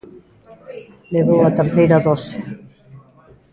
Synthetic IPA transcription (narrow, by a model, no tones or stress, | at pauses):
leβowat̪eɾθejɾaðɔse